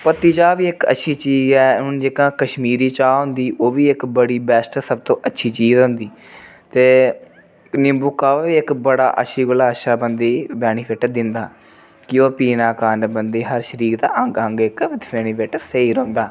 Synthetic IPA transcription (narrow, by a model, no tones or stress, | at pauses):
pət̪iːd͡ʒaːʋiːɪkə̰tːʃʰiːt͡ʃiːzɛːʊnd͡ʒeːkãːkəʃmiːɾiːt͡ʃaːɦʊ̃nd̪iːʔoːʋiːɪkbəɽiːbɛːsʈsəb̚t̪õːʔətːʃʰiːt͡ʃiːzɦʊ̃ːnd̪iː | t̪eː | nɪmbʊkːaːaːʋiːɪkbəɽa̰ːʔə̰ʃʰiːɡʊlaːəʃaːbənd̪iːbɛːñiːʋɪʈd̪ɪnd̪aː | kɪoːpiːnaːkaːnbənd̪iːɦəɾʃəɾiːkt̪aːəŋɡəŋɡɪkɪt̪ɛːɽ̃iːʋɪʈseiːɾɔ̃ːnd̪aː